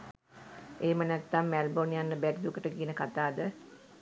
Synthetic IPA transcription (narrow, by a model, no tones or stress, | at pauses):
eːmənɛt̪ːamːælbonijanːəbæʈid̪ukəʈəɡinəkat̪aːd̪ə